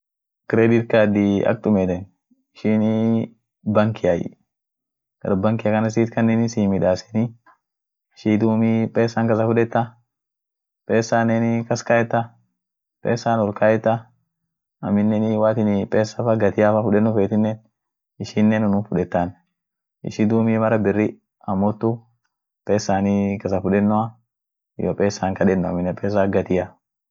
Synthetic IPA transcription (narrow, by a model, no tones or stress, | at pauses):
kɪɾɛd̪ɪt̪̚kaːd̪iɐ̰k̚t̪ʼʊmɛt̪ɛn | ɪʃiːnɪ | bɐŋkɪjɐj̰ | ɡ̥ɐ̰ɾbɐŋkɪjɐkɐnɐs̬iːt̪kɐnːɛnɪsiːmɪᶑaːsɛ̥ni | ɪʃiːt̪uːmipʼeːsːaŋkɐs̬ɐfʊᶑɛt̪ːɐ | pʼeːsaːnɛnɪkɐskaːjɛt̪ːɐ | pʼeːsːaːnɔɾkʰaːjɛt̪ːɐ | ɐmːɪnːɛnɪwaːt̪ɪnɪpʼeːsːɐfɐɡɐt̪ɪjafɐfʊᶑɛnːʊfeːt̪ɪnːɛn | ɪʃiːnːɛnʊnuːnfʊᶑɛt̪ːan | ʔɪ̰ʃiːd̪uːmiːmɐɾɐbɪrːɪ | ɐmːɔt̪ːʊ | pʼeːsːaːnikɐsɐfʊᶑɛnːʊɐ | jɔ̰pʼeːsːaŋkɐᶑɛnːʊɐ̰mːɪnːɛpʼeːs̬aɡɐt̪ɪja